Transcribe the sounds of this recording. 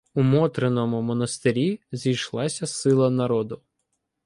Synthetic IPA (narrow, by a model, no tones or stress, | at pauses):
umɔt̪ɾenɔmʊmɔnɐst̪ɪɾʲizʲijʃlˠɑsʲɐsɪlˠɐnɐɾɔd̪ʊ